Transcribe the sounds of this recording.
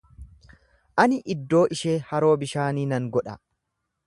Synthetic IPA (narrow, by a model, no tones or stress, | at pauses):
ʔɐnɪʔɪd̪ːo̞ːʔɪʃeːhɐɾo̞ːbɪʃaːniːnɐŋɡɔᶑɐ